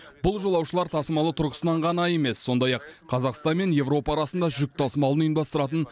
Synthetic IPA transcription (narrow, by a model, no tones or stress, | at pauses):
b̥ʊlˠʒo̞lˠɑwʃəlˠɑɾt̪ʰɑsəmɑlˠət̪ʰʊɾʁə̥sənɑɴʁɑnɑje̞me̞sːo̞nd̪ɑjɑqːʰɑzɑqst̪ɑnme̞nje̞vɾo̞pɑːɾɑsənd̪ɑʒʏk̚t̪ʰɑsəmɑlˠənijənd̪ɑst̪əɾɑt̪ən